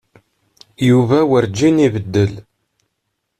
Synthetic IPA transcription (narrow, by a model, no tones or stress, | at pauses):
juvæwəɾd͡ʒːinivəd̪ːəl